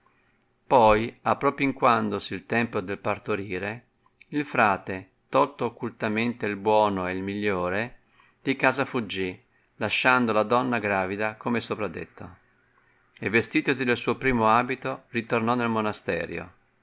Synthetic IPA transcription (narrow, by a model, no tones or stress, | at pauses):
pɔjapːɾɔːpoiŋkwand̪osilt̪ɛmpod̪elpart̪oɾiːɾe | ilfɾaːt̪e | t̪ɔlt̪oːkːult̪ament̪eilbwɔːnoelmiʎːoːɾe | d̪̥ikaːzafud͡ʒːi | laʃːand̪olad̪ɔnːaɡɾaːvid̪akomesopɾad̪ːḛt̪ːo̰ | evːest̪iːt̪od̪id̪elsuːopɾiːmoaːbit̪orit̪ornɔnːelmonast̪ɛ̰ːɾjo̰